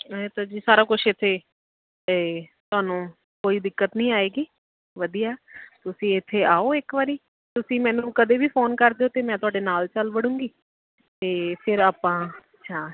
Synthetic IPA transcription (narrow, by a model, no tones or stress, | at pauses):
t̪aːd͡ʒiːsaːɾaːkʊt͡ʃʰɪt̪ʰːeː | eːt̪ʊaːnũː | koːiːd̪ɪkːət̪nĩːaːeːɡiː | ʋəd̪ijaːt̪ʊsĩːɪt̪ʰːeːʔaːoːɪkʋaːɾiː | t̪ʊsĩːmɛ̃ːnũːkəd̪eːbiːpʰoːnkəɾd̪eːoːt̪eːmɛ̃ːt̪ʊaːɖeːnaːlt͡ʃəlʋəɽũːŋɡiː | t̪eːpʰɪɾaːpːãːət͡ʃʰaː